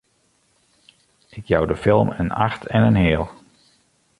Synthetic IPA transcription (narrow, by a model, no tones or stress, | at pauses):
ɪkjawdəfɪlˠmə̰na̰xtʰɛnənɦɪːlˠ